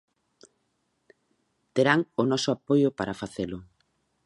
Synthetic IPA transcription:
t̪eɾaŋʊnɔsʊapojʊpaɾafaθelʊ

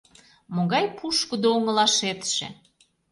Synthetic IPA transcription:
moɣɑjpʰuʃkud̪ooŋəlɑʃet̪ʃḛ

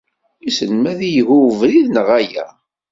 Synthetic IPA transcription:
isənmæðijəɣuwvɾiðnəʁæjæ̰

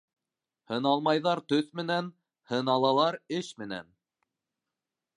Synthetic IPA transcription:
hɤ̆nɑlˠmɑjðɑɾt̪ɵθmɘ̆næn | hɤ̆nɑlˠɑlˠɑɾɘʃmɘ̆næ̰n

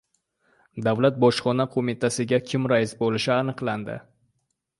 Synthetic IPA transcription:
d̪avlat̪̚bɒʃχɒnaqʰomɪt̪ʰasɪɡʲakʲʰɪmɾaɪsbolɪʃɪanɨqlˠand̪ɪ̰

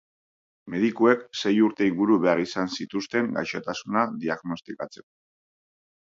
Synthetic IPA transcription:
me̞ðikue̞kse̞juɾt̪e̞iŋɡuɾuβe̞arisansit̪ust̪e̞ŋɡa̰jʃat̪asunaðiaɣno̞st̪ikat͡se̞ko̞

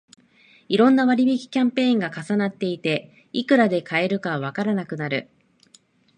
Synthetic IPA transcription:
iɾõ̞nːaβaɾʲibʲikʲi̥kʲãmpẽ̞ːŋɡakasanat̪ːe̞it̪e̞ | ikɯ̟ɾad̪e̞kae̞ɾɯ̟kaβakaɾanakɯ̟naɾɯ̟̰

